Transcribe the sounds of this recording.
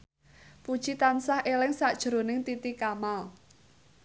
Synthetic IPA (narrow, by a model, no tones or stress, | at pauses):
pud̥ʒ̥it̪ansahʔelɪŋsaʔd̥ʒ̥ɾonɪŋt̪it̪ikamal